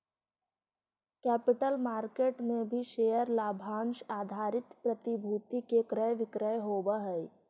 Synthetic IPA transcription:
kɛːpɪʈəlmaːɾkeːʈmẽbʱiʃeːjəɾlaːbʱaːnʃaːd̪ʱaːɾɪt̪pɾət̪ibʱuːt̪ikekɾəjʋɪkɾəjɦoːbəɦəi

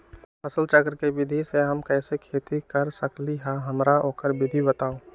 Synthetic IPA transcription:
pʰɐsəlt͡ʃəkɾkebɪd̪ʱiseɦɐmkɛːsekʰeːt̪ikɐɾsəkliɦãɦɐmɾaʔoːkəɾbɪd̪ʱibət̪aːõː

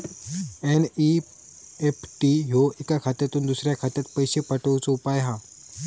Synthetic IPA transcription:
eni | epʰʈiɦoikakʰat̪at̪uːnd̪usɾjakʰat̪jat̪̚pəjɕepəʈəwt͡soupajɦã

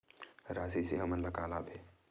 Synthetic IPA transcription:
ɾaːsiseɦɐmənləkaːlabʱeː

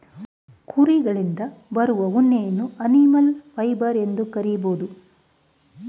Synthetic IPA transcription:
kuɾiɡɐɭind̪ɐbɐɾuʋɐunːejɐnːuɐnimɐlpʰɐjbɐɾe̞nd̪ukɐɾijboːd̪u

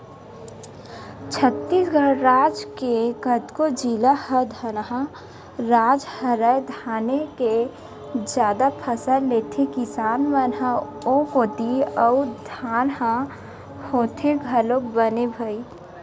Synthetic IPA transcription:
t͡ʃʰət̪ːiːsɡʱəɽɾaːd͡ʒkeɡət̪kod͡ʒilahəd̪ʱənɦã | ɾaːd͡ʒhəɾəjd̪ʱaːneke | d͡ʒjaːd̪apʰəsəlleːt̪ʰekɪsaːnmənɦã | oɦoːt̪iəʊd̪ʱaːnɦã | hoːt̪ʰeɡʱəlok̚bənebʱəi

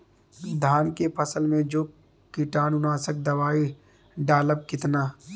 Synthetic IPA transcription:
d̪ʱaːnkepʰəsəlmẽd͡ʒoː | kiʈaːnʊnaːsək̚d̪ɐʋaːi | ɖaːləb̚kɪt̪naː

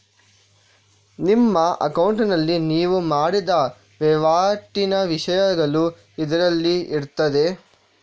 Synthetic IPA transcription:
nimːɐɐ̰kɐwɳʈnɐlːiniːʋumaːɽid̪ɐ | ʋɛʋaːʈːinɐʋiʂɐjɐɡɐɭu | id̪ɐɾɐlːiiɾt̪ɐd̪e̞

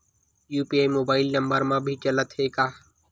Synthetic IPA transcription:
juːpiːaːimoːbaːɪlnəmbəɾmãːbʱiːt͡ʃələt̪ɦeːkaː

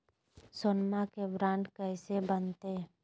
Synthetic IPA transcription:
sʊnmakebɾaːɳʈkəɪsebənt̪e

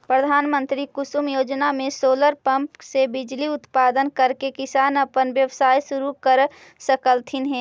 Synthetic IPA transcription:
pɾəd̪ʱaːnmə̃nt̪ɾikʊsumjoːd͡ʒnamẽsoːləɾpə̃mpsebɪd͡ʒliʊt̪paːd̪ənkəɾkekɪsaːnəpənʋjəʋsaːjsʊɾukəɾ | səkəlt̪ʰɪnɦɛ̃ː

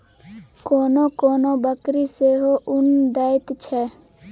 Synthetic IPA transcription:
koːnoːkoːnobəkɾiseːɦoʔʊnd̪aːɪt̪t͡ʃʰɛ

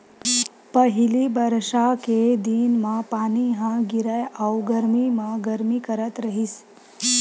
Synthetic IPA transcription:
pəɦilibəɾʂaked̪iːnmãpaːniɦãɡiɾəjawɡəɾmimãɡəɾmikəɾət̪ɾəɦis

